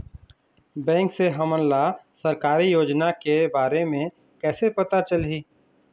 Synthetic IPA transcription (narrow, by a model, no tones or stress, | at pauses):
bɛ̃ːŋkseɦɐmənlasɐɾkaːɾijoːd͡ʒnakebaːɾemẽ | kɛːsepɐt̪at͡ʃəlɦiː